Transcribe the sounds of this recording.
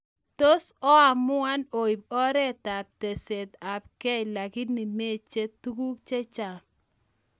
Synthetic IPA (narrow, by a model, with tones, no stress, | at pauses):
to˦sɔ˦a˨mʊ˦a˦no˨i˨b̚ɔ˦ɾɛ˦ta˨p̚te˨se˨ta˨p̚kɛ˦ɪ˨la˨ɡɪ˦nɪ˨me˦t͡ʃe˦tu˦ɡu˦kt͡ʃe˦t͡ʃa˨ŋ